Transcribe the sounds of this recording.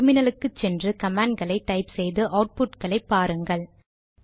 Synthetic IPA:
mɪnɐlɯkːɯt͡ʃːɛndrɯkɐmaːɳɖɡɐɭɐɪʈːɐɪpsɛjðɯʔɐʊʈ̚pʊʈkɐɭɐɪpːaːɾɯŋɡɐɭ

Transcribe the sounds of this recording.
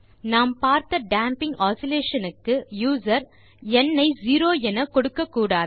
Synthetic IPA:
naːmpaːɾt̪ɐɖaːmpɪŋɡaːsɪleːʂɐnɯkːɯjuːsɐɾ | ɛnːɐɪziːɾoːɛnɐkɔɽɯkːɐkːuːɽaːð

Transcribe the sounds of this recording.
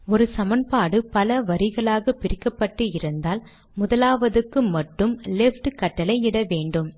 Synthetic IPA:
ɔɾɯsɐmɐnpaːɽɯpɐlɐʋɐɾɪɣɐɭaːɣɐpɪɾɪkːɐpːɐʈːɯɪɾɯnd̪aːl | mʊðɐlaːʋɐðɯkːɯmɐʈːɯmlɛfʈɯkɐʈːɐlɐɪɪɽɐʋeːɳɖɯm

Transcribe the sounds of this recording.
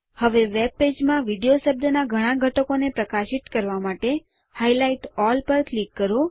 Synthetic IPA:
həʋeʋeb̚ped͡ʒmãʋiɖijoʃəb̚d̪ʱənaɡʱəɽ̃ãɡʱəʈəkonepɾəkaʃiʈ̪kəɾʋamaʈe | hailaiʈɔlpəɾklikːəɾo

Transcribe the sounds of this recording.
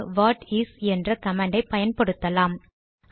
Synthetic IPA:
ʋaːʈisɛndrɐkɐmaːɳɖɐɪpːɐjɐnpɐɽɯt̪ːɐlaːm

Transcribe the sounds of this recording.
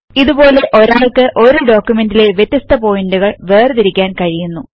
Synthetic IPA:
iðubo̞ːle̞ʔo̞ɾaːɭkɨʔo̞ɾuɖo̞ːkʲːjume̞ndile̞ʋjet̪ːjist̪ɐpo̞ːjinduɣɐɭʋe̞ːrt̪iɾikʲːaːnkɐɻijunːu

